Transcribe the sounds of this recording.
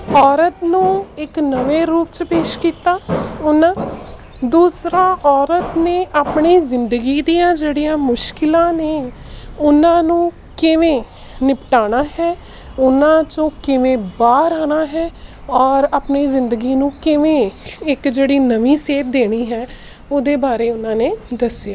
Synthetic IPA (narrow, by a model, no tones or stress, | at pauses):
ɔːɾət̪nũːɪknəʋeːɾuːpt͡ʃpeːʃkiːt̪aːʊnãː | d̪uːsɾaːʔɔːɾət̪neːʔaːpɳiːzɪnd̪əɡiːd̪ijãːd͡ʒeːɽijãːmʊʃkɪlãːneː | ʊnãːnũː | kɪʋẽː | nɪpʈaːñaːɦɛː | ʊnãːt͡ʃõːkɪʋẽːbaːɾaːnaːɦɛː | ɔːɾaːpɳiːzɪnd̪əɡiːnũːkɪʋẽːɪkd͡ʒeːɽiːnəʋĩːseːt̪̚d̪eːɽ̃iːɦɛː | oːd̪eːbaːɾeːʊnãːneːd̪əsjaː